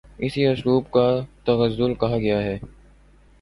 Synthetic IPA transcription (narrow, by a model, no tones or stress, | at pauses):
ɪsiɐsɾuːbkat̪ɐɣəzːʊlkɐɦaɡɐjaɦɛː